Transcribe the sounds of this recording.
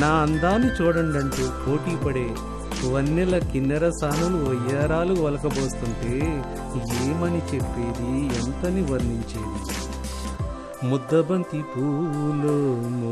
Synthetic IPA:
naːɐnd̪aːnit͡ʃuːɽɐɳɖɐɳʈuːpo̞ːʈiːpɐɽeː | ʋɐnːilɐkinːɐɾɐsaːnuluɐjɐːɾaːluʋɐlɐkɐboːst̪uɳʈeː | eːmɐnit͡ʃepːeːd̪iɐnt̪ɐniʋɐɾniɲt͡ʃeːd̪i | mud̪ːɐbɐnt̪ipuːlum

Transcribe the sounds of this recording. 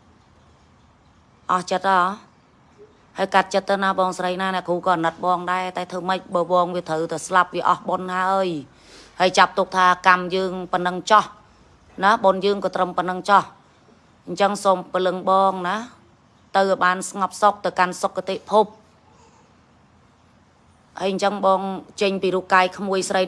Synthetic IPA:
ʔɑht͡ɕət̪̚ʔɑː | haəjkat̪̚t͡ɕət̪ʰːəwnaɓɑːŋsrəjnaːnɛ̆əʔkʰuːkɑːnət̪̚ɓɑːŋɗaɛt̪aɛt̪ʰəːməc̚ɓəːɓɑːŋʋiət̪ʰəwt̪aslap̚ʋiəʔɑhɓonhaəj | haəjt͡ɕap̚t̪ʊk̚t̪ʰaːkamjəːŋpənəŋt͡ɕɑh | naɓonjəːŋkɑːt̪rəmpənəŋt͡ɕɑh | ɲt͡ɕəŋsompəlɨŋɓɑːŋna | t̪ɨwʔjɓaːnsŋɑp̚sok̚t̪ɨwkansokːat̪eːʔpʰup̚ | haəjɲt͡ɕəŋɓɑːŋt͡ɕəɲpiːɾup̚kaːjkʰmuəjsrəj

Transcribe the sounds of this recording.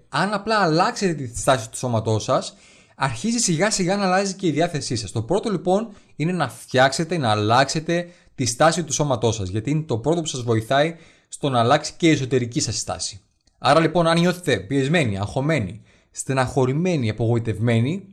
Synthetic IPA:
ɐnɐplɐːlɐkse̞t̪e̞t̪ist̪ɐsi̥t̪u̥so̞mɐt̪o̞sɐs | ɐɾçizisiɣɐsiɣɐnɐlɐzice̞iðiɐθe̞sisɐst̪o̞pɾo̞t̪o̞lipo̞n | ine̞nɐft̪çɐkse̞t̪e̞nɐːlɐkse̞t̪e̞ | t̪ist̪ɐsit̪uso̞mɐt̪o̞sɐzʝɐt̪iine̞t̪o̞pɾo̞t̪opusɐzvo̞iθɐi | st̪o̞nɐːlɐksi̥ce̞ieso̞t̪e̞ɾicisɐsst̪ɐ̰si̥ | ɐɾɐlipo̞nɐnɲo̞θe̞t̪e̞pie̞zme̞niɐ̰ŋxo̞me̞nḭ | st̪inɐxo̞ɾime̞niɐpo̞ɣo̞it̪e̞vme̞ni

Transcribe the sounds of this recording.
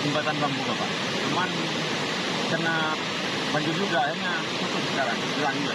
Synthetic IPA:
timbat̪anbambuɡapa̰ʔ | t͡ʃuman | karna | baɲd͡ʒʊrd͡ʒuɡaɦirɲa | sut̪ʊŋsə̥kaɾaŋbilaŋila

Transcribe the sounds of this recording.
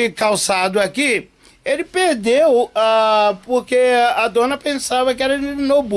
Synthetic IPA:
kawsad̪ʊaki | elɪpeɾd̪ewapoɾkead̪õnɐpẽnsavɐkɪɛɾɐd͡ʒɪnob

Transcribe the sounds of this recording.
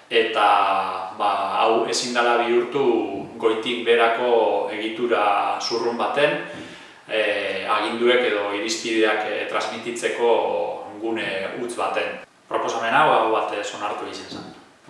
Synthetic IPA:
e̞t̪aβaa̰we̞sind̪alaβiuɾt̪uɡo̞jt̪ikbe̞ɾako̞e̞ɣit̪uɾasurumbat̪e̞n | aɣ̞ind̪ue̞ke̞ð̞o̞iɾispið̞eakt̪ɾazmit̪it͡se̞ko̞ŋɡuneut͡sβat̪e̞n | pɾo̞po̞same̞naawβat̪so̞naɾt̪uisansan

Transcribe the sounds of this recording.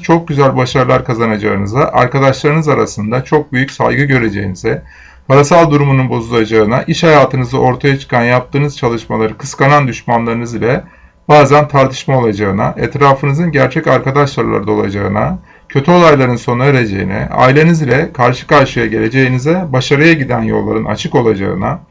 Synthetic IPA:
t͡ʃʰo̞k̚ɟyzælʲbaʃaɾlˠaɾkʰazanad͡ʒaɯnɯzaʔa̰ɾkad̪aʃlˠaɾɯnɯzaɾa̰sɯnd̪at͡ʃʰo̞k̚byjycʲsa̰jɡɯɟø̞ɾe̞d͡ʒḛjinizɛ | pʰaɾasalˠd̪uɾumununbo̞zulˠad͡ʒaɯnaʔiʃhajaːt̪ʰɯnɯzɯʔo̞ɾt̪ʰajat͡ʃʰɯ̥kʰanjap̚t̪ʰɯːnɯz̥t͡ʃʰalˠɯʃmalˠaɾɯkʰɯ̥skanand̪yʃmanlˠaɾɯnɯzilʲɛ | b̥aːzænt̪ʰaɾt̪ʰɯ̥ʃmao̞lˠad͡ʒaɯna̰ʔɛt̪ɾaːfɯnɯzɯnɟæɾt͡ʃʰɛcaɾkad̪aʃlˠaɾlˠa̰ɾɯd̪ao̞lˠa̰d͡ʒa̰ɯna̰ | cʰø̞t̪ʰyo̞lˠajlˠaɾɯnso̞neɾed͡ʒe̞̰jḭnɛ̰a̰jlʲenɯzilʲɛkʰaɾʃɯ̥kaɾʃɯjaɟe̞lʲe̞d͡ʒe̞jinizɛbaʃaɾɯjaɟid̪ænjo̞̰lˠːa̰ɾɯnʔa̰t͡ʃʰɯko̞lˠad͡ʒa̰ɯna̰

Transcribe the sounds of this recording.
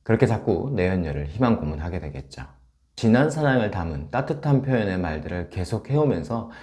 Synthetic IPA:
kɯɾʌkʰe̞t͡ɕak̚k͈one̞jʌnːʌɾɯɭçimankomunɦaɡe̞dwe̞ɡe̞t̚t͡ɕ͈o | t͡ɕinansʰaɾaŋɯɭtamɯnt͈atʰɯtʰanpʰjojʌne̞maɭdɯɾɯɭke̞sʰok̚ʰhe̞omjʌnsʰʌ

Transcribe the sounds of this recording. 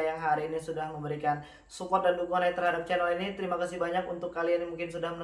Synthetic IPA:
jaŋɦaɾiːnisudahməmbəɾikan | sukɔt̪̚dandukuŋanjat̪ərhadap̚t͡ʃɛnəlinit̪əɾimakasɪhbaɲakunt̪ʊkːalianmuŋkɪnsudahmən

